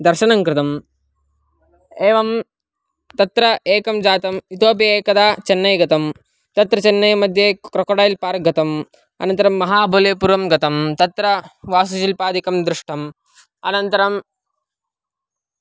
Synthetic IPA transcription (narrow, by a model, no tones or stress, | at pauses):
d̪ɐɾʃɐnɐŋkɾɪt̪ɐm | eːʋɐm | t̪ɐt̪ɾɐʔeːkɐmd͡ʒaːt̪ɐmit̪oːpjɐeːkɐd̪aːt͡ʃɐnːɐjɡɐt̪ɐm | t̪ɐt̪ɾɐt͡ʃɐnːɐjmɐd̪ʱjekɾɐkoɽaːjilpaːɾɡʱɐt̪ɐm | ɐ̰nɐnt̪ɐɾɐmːɐɦaːbʱoleːpuɾɐmɡɐt̪ɐmt̪ɐt̪ɾɐʋaːsuʃilpaːd̪ikɐmd̪ɾɪʂʈʰɐm | ɐ̰nɐnt̪ɐɾɐm